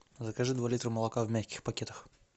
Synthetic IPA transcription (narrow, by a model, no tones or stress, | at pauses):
zəkaʐɨd̪valʲit̪ɾəməlˠɐkavmʲæxʲkʲɪ̥xpɐkʲet̪əx